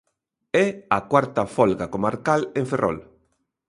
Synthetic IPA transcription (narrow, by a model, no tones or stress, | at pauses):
ɛakwaɾt̪afɔlɣakomaɾkalẽɱferʔɔ̰l